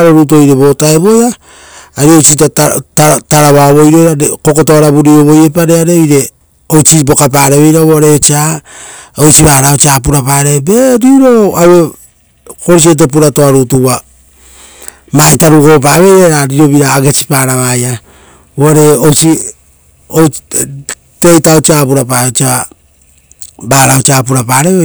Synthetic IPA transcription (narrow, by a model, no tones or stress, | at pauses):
ɾoɾutuojɾe̞bo̞taeβo̞jaː | ɾiojt͡ʃitatataɾaβaβo̞jɾo̞jɾaɾeko̞kotoaɾabuɾioβo̞jepaɾeaɾeojɾe̞ | ojt͡ʃibo̞kap̬aɾeβe̞jɾaβoaɾeot͡ʃia | ojt͡ʃiβaɾaot͡ʃiap̬uɾapaːɾebeɾiɾo̞awe | ko̞ɾis̬iet̬ep̬uɾatoaɾutua | maitaɾuko̞p̬aβe̞jɾaɾaɾiɾo̞βiɾaːɡet͡ʃi̥paːɾaβaja | βoaɾe̞ojt͡ʃi | o | tejtaot͡ʃiapuɾapat͡ʃa | baːɾaot͡ʃiaːpuɾapaːɾe̞β